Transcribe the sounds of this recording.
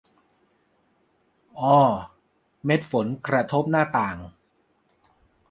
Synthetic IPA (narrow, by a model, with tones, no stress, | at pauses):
ʔɔː˧˩ | me˦˥t̪̚fo˩˦nkɾa˧t̪ʰo˦˥p̚naː˥˩t̪aː˨˩ŋ